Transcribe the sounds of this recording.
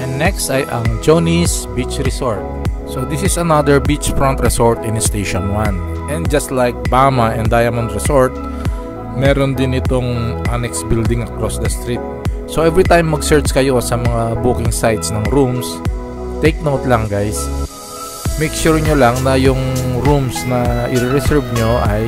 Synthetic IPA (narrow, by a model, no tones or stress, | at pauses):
ʔɛnːɛkst̪ɐjʔɐŋd͡ʒonisbit͡ʃɹɛsoɹt̪̚sod̪ɪsɪsɐnad̪ɛɹbit͡ʃfɹɔnt̪ɹɛsoɹt̪ɪ̃nst̪ejʃɔ̃nwãn | ʔɛ̃nd̪d͡ʒɐst̪lajk̚baːmɐʔɛ̃nd̪ajɐmɔnt̪ɾɛsoɹt̪̚ | mɛːɾond̪ɪnɪt̪oŋʔanɛksbild̪ɪŋʔɐkɾosd̪ɐst̪ɾit̪̚ | soʔɛvɹit̪ãjmːɐɡsɛɹt͡ʃkɐjo̞sɐmɐŋabuːkɪŋsajt̪snɐŋɾums | t̪ejk̚nowt̪lɐŋɡajs | mejkʃuɹɲolaŋnɐjʊŋɾumsnɐʔɪɾɪɾɛsɛɹvɲoʔɐj